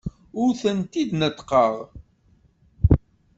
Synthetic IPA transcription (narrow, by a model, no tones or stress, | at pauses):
ʊɾθənt̪id̪nət̪qəʁ